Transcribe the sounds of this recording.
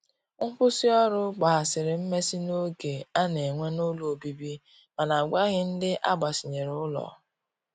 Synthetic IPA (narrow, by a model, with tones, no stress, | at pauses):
ŋ̩˦kʊ˦si˦ɔ˦ɾʊ˦ɡ͡ba˨a˨sɪ˨ɾɪ˨m̩˦me˦si˦no˦ɡe˨a˦ne˨ŋʷe˦no˦lo˦˨o˨bi˦bi˦ | ma˨na˨ɡʷa˦ɣɪ˦n̩˦dɪ˦ʔa˦ɡ͡ba˨si˨ɲe˨ɾʊ˦ʊ˦lɔ̰˨